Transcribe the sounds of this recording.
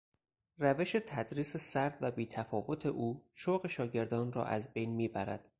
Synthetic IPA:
ræve̞ʃe̞t̪ʰæd̪ɾiːse̞sæɾd̪væbiːt̪ʰæfɒːvo̞t̪ʰe̞ʔuːʃoɣe̞ʃɒːɟe̞ɾd̪ɒːnrɒ̰ːʔæ̰zbe̞jnmiːbæɾæ̰d̪̥

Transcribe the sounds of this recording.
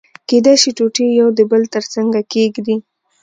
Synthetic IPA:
ked̪ajʃiʈoʈijawd̪əbəlt̪əɾt͡saŋɡakeɡd̪i

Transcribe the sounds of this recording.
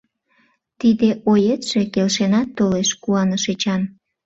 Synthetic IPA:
t̪id̪eʔojet̪ʒ̥e̽kelʃenɑt̪ːoleʃkuɑnəʃet͡ɕɑn

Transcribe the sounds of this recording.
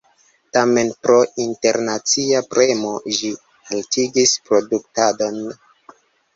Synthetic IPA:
tame̞npɾo̞ʔinte̞ɾnat͡siapɾʔe̞mo̞ʒi | haltiɡispɾo̞duktado̞n

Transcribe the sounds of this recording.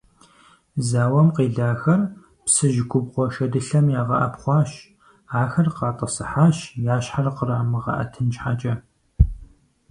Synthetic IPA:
zaːwɐmqeːɮaːxɐr | psɨʒɪɡʷʼʊbʁʷɔʃɐdɨɬɐmjaːʁɐ̰ʔɐ̰pχʷɑːɕ | aːxɐrqɑːtʼɐsɨħaːʃjaːɕħarɐqəɾaːmɨʁɐ̰ʔɐ̰tʰɨnt͡ʃħat͡ʃʼɐ

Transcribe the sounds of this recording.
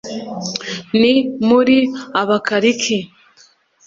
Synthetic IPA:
nimuɾiaβakaɾikʰi

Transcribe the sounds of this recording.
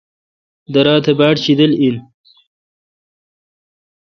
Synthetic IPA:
d̪ɐɾaːt̪ʰebaːʈɕid̪əlin

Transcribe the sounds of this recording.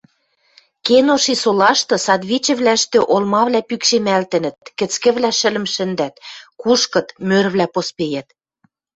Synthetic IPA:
kenoʃisolɑʃt̪ɤ̆sɑd̪βit͡ɕɘ̆βlæ̆ʃt̪ĕʔolmɑβlæpykʃemælt̪ɘ̆nə̆t̪̚kɘ̆t͡skɘ̆βlæʃɘ̆lə̆mʃɘ̆nd̪æt̪kuʃkɤ̆t̪mørβlæpospejæt̪

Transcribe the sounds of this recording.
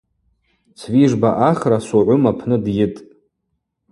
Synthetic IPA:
t͡sʰviʐbaʔaχrasuʕʷʊmapʰnɨdjɪtʼ

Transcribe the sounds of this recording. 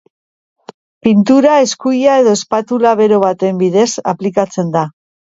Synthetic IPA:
pint̪uɾae̞skujae̞ðo̞espat̪ulaβe̞ɾo̞βat̪e̞mbiðe̞sa̰plikat͡se̞nd̪a

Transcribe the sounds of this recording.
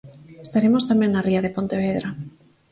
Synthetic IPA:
est̪aɾemost̪amẽŋnariaðepont̪eβ̞eðɾa

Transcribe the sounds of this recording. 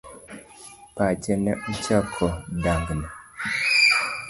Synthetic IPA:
pat͡ʃɛnɛm̩t͡ʃakʰɔdaŋɡnɛ

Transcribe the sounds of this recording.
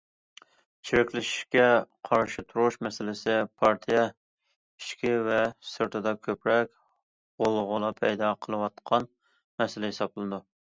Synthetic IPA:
t͡ʃʰiɾɪkʲlɪʃi̥ʃkʲɛqʰɑɾʃɨt̪ʰuɾuʃmɛsɪlɪsɪpʰɑɾt̪ʰijɛ | i̥ʃkʲʰɪvɛsɨɾt̪ʰɨd̪ɑkʲʰøpɾɛkʲ | ʁolˠʁʊlˠɑpʰɛjd̪ɑqʰəlˠɨwɑt̪̚qʰɑn | mɛsɪlɛɦɪsɑblˠɨd̪u

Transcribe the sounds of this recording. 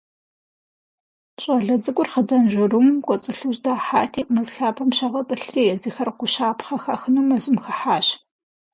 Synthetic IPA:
ɕʼɐɮɐd͡zɨkʷʼʊrχədɐnʒɪrumkʷʼɔt͡sʼɨɬuʑdaːħaːtʰiːmɨzɬaːpʰɐmɕɐʁɐtʼɨɬriːjɛzixɐrqʷʊɕaːpʰχɐxɐxɨnumɐzɪmxɐħaːɕ

